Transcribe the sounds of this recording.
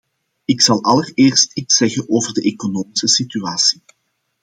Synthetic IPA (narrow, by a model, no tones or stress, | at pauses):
ɪksɑlˠɑlərɪːrstitsɛɣənʔoːvərdəʔeːkonoːmɪsəsityaːsi̥